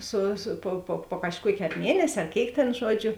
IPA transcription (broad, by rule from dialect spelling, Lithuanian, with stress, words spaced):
ˈsʊ sʊ poː poː poː kɐʃˈkuɔkʲeː ɐr ˈmʲiɛnʲɛsʲ ɐr ˈkʲeːɪk tʲeːn ˈʒuɔˌd͡ʒʲʊ